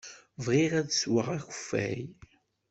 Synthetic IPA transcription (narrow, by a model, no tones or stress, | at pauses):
vʁiʁæðswəʁæçə̥fːæ̰j